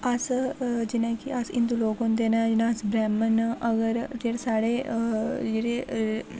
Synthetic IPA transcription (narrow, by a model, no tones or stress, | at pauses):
əsd͡ʒɪnẽːkiəsɪ̰nd̪uloːɡɦõnd̪eːnɛ̃d͡ʒɪnãsbɾɛːmənəɡəɾd͡ʒeːɽsaːɽeː | d͡ʒeɾeː